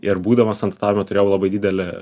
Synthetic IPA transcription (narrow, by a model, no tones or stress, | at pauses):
ɪrbuːd̪ɐʋɐst̪ɐnd̪ɐrt̪ɑːʋʲɪmʲɛt̪ʊɾʲeːjɛʊlˠɑbɐɪdʲiːd̪ʲɛlʲɛ